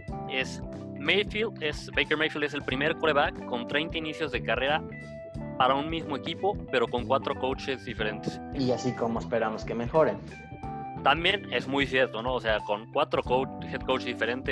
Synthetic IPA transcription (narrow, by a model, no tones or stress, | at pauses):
e̞s | mejfild̪esbejkeɾmejfild̪e̞s̬e̞lpɾime̞ɾkoleβakːo̞nt̪ɾejnt̪ainisjo̞zðe̞kare̞ɾa | paɾaunmizmo̞ekipo̞pe̞ɾo̞ko̞ŋkwat̪ɾo̞ko̞wt͡ʃe̞zðife̞ɾe̞nt̪esiasikomoespe̞ɾamoskeme̞xo̞ɾen | t̪ambje̞ne̞zmujsje̞ɾt̪ono̞ːse̞ako̞ŋkwat̪ɾo̞kowxeðkowt͡ʃzðife̞ɾe̞nt̪e